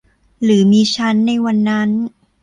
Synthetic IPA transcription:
ɾɯː˩˦miː˧t͡ɕʰa˦˥nːa˧jwa˧nːa˦˥n

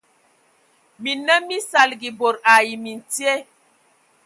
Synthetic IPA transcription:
mi˨nə˦mi˦sa˨lɡi˨bo˨ɾa˨ji˨mi˨n˨ti˦e˦

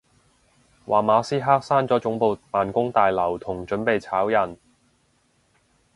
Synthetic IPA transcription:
wʔaː˨˩maː˨˧siː˥ɦaː˥k̚saː˥nt͡sɔː˨˥t͡sʊ˨˥ŋpo˨˧wmaː˨nkʊ˥ŋt̪aː˨jlɐ˨˩wt̪ʰʊ˨˩ŋt͡ʃɵ˨˥npe˨jt͡sʰaː˨˥wjɐ˨˩n

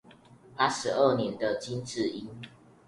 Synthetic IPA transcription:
pa˦ʂɻ̩˨˧ə˥˩njɛ˨˦nd̪ə˨t͡ɕi˦nʈ͡ʂɻ̩˥˨i˦n

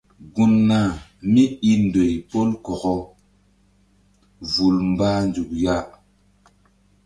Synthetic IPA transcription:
ɡu˦nːa˦˨mi˦i˦ndo˨jpo˦lkɔ˨kɔ˦ | vu˨lmba˦nd͡ʒu˨k̚ja˦˨

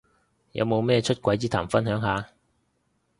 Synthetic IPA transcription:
jɐ̰˨˧wmo˨˧wmɛː˥ɛ˧t͡ʃʰɵ˥t̚kʷɐ˨˥jt͡siː˥t̪ʰaː˨˩mfɐ˥nɦœː˨˥ŋɦaː˨˧

